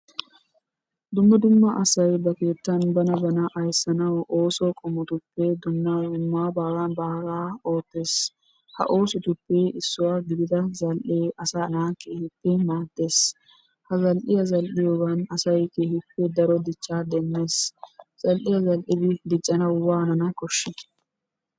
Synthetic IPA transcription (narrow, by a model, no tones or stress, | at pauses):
d̪ʊmːɐd̪ʊmːaʔɐsɐjbɐkeːt̪ːɐnbɐnɐbɐnɐʔɐjsɐnɐwʔoːsoːkʼɔmɔt̪ʊpːeːd̪ʊmːaʊmːaːbaːɾaːnbaːɾaːoːt̪ːes | hɐ̰ʔoːsʊt̪ʊpːeːʔɪsːʊwaːɡɪd̪ɪd̪ɐzɐlʔeːɐsanaːkeːhɪpːɛmaːd̪ːe̞ːs | hɐzɐlʔɪjɐzɐlʔɪjɔɡɐnɐsɐjkeːhɪpːɛd̪ɐɾɔd̪ɪt͡ʃːaːd̪ɛnːeːsz̥ɐlʔɪjɐzɐlʔɪbɪd̪ɪt͡ʃʼːɐnɐwwaːnɐnɐkɔʃːɪt̪